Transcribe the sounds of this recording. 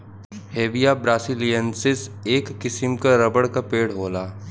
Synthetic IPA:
heːʋijabɾaːsilijənsɪseːkːɪsɪmkaɾɐbəɽkapeːɽɦoːlaː

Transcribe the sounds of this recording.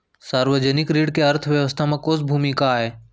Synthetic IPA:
saːɾʋəd͡ʒənɪkɾiːɖkeɐɾt̪ʰəʋjəʋəst̪ʰamãkoːs̬bʱuːmikaːɦeː

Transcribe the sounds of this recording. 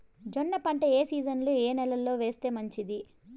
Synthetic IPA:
d͡ʒonːɐpɐɳʈɐeːsiːd͡ʒɐnlueːnɛlɐlːo̞ːʋe̞ːst̪e̞ːmɐɲt͡ʃid̪i

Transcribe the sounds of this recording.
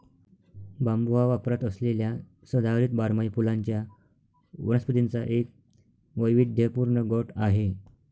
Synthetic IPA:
bambuʋaʋapɾat̪əslelja | səd̪ʱaʋɾiːt̪baɾmajpulaɲt͡ɕja | ʋənəspət̪int͡saʔek̚ | ʋəjʋid̪̚d̪ʱepuɾɳəɡɔʈaɦe

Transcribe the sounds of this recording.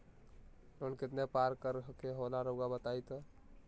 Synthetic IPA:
lonket̪nepaɾkəɾəɦkeɦolaɾoɡabət̪ajt̪ɔ

